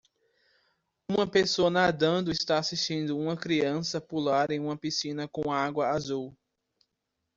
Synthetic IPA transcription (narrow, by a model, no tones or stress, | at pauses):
ũmɐpesoɐnad̪ɐ̃nd̪ʊɪst̪aasiʃt͡ʃĩnd̪ʊũmɐkɾiɐ̃sɐpulaɾẽj̃ũmɐpisĩnɐkõw̃aɡwɐazuw